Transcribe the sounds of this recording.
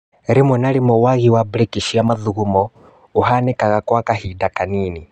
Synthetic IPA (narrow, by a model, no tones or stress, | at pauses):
ɾimɔnalimɔwaɣiwabɾɛkiʃiamaðuɣumɔ | uɦanɛkaɣakwakahidakaniːni